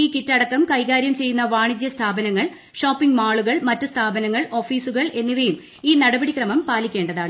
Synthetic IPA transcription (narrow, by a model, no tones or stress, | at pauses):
iːkitːɐɽɐkːɐmkɐjɣaːɾjɐmt͡ɕe̞jːunːɐʋaːɳid͡ʑjɐst̪ʰaːbɐnɐŋːɐɭ | ʂo̞ːpːiŋɡmaːɭuɣɐɭmɐtːɨst̪ʰaːbɐnɐŋːɐɭo̞ːfiːsuɣɐɭʔe̞nːiʋɐjum | iːnɐɽɐbɐɽikrɐmɐmpaːlikʲːe̞ːɳɖɐðaːɳɨ